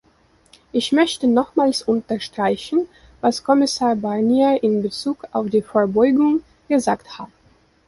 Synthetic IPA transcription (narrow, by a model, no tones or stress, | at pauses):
ʔɪçmœçtənɔχmaːlsʔʊntɐʃtʁ̥aɪçn̩ | vaskʰɔmɪsaːɐbaniaʔɪnbət͡suːka̰ʊfd̥iːfoːɐbɔʏɡʊŋ | ɡ̥əzaːkthat